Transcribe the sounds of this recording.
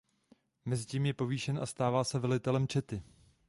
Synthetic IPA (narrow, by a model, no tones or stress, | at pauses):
mɛzɪciːmjɛpo̞viːʃɛnʔa̰st̪aːvaːsɛvɛlɪt̪ɛlɛmt͡ʃɛt̪ɪ